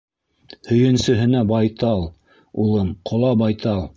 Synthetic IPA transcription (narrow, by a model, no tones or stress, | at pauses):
hɵ̆jɘ̆nsɵ̆ɦɘ̆næbɑjt̪ɑlˠ | ulˠɤmqʰŏlˠɑbɑjt̪ʰɑlˠ